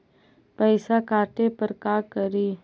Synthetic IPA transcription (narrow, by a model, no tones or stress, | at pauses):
pəɪsakaːʈepəɾkaːkəɾiː